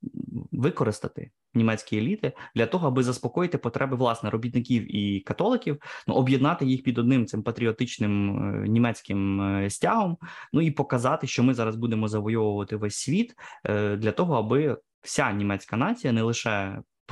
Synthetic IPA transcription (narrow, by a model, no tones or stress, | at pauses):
ʋɪkɔɾɪst̪ɐt̪ɪ̰ | nʲimɛt͡sʲkʲielʲit̪ɪd̪̥lʲɐt̪ɔɦɔɐbɪzɐspɔkɔjɪt̪ɪpɔt̪ɾʔɛbɪʋlˠɑsnɛɾɔbʲit̪nɪkʲiwikɐt̪ɔlˠɪkʲiwnṵʔɔbʲjɛd̪nɑt̪ɪjixpʲid̪ɔd̪̚nɪmt̪sɪmpɐt̪ɾʲiɔt̪ɪt͡ʃnɪm̰nʲimɛt͡sʲkɪmsʲtʲaɦɔmnuipɔkɐzɑt̪ɪʃt͡ʃɔmɪzɑɾɐzbud̪emɔzɐʋɔjɔʋʊʋɐt̪ɪʋɛsʲsʲʋʲit̪d̪lʲɐt̪ɔɦɔɐbɪ | w̥sʲanʲimɛt͡sʲkɐnɑt͡sʲijɐnɛlˠɪʃɛ